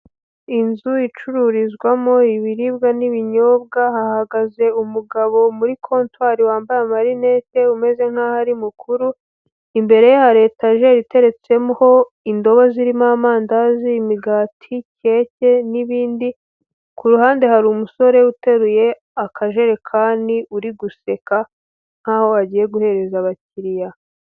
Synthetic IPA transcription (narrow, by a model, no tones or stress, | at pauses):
inzuit͡ʃuɾuɾizɡwamoiβiɾibɡaniβiɲo̞ːb̚ɡahahaɡaze̞umuɡaβo̞muɾikʰo̞ːntwaːɾiwaːmbajamaɾine̞ːte̞ume̞ze̞ŋ̥hahaɾimukʰuɾu | imbe̞ɾe̞jehaɾe̞ːtaʒe̞ɾite̞ɾe̞t͡se̞muho̞ | indo̞βoziɾimaːmaːndazimiɡaːtʰice̞ːce̞niβiːndi | kuɾuhaːnde̞haɾumuso̞ɾe̞ute̞ɾuje̞ | akʰaʒe̞ɾe̞kʰaːndiʔuɾiɡuse̞ka | ŋ̥haːho̞aɟiːje̞ɡuhe̞ɾe̞zaβaciɾija